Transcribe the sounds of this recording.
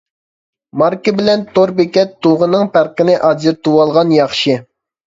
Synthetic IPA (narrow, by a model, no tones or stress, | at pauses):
mɑɾkəbɪlɛnt̪oɾbekʲɛt̪ʰːuʁənɨŋpæɾqɪnɪʔɑd͡ʒiɾt̪uwɑlˠʁɑnjɑχʃɨ